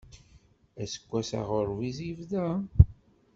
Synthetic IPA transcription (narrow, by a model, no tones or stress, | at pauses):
æsə̥kʷːæsa̰ʁoɾvizivðæ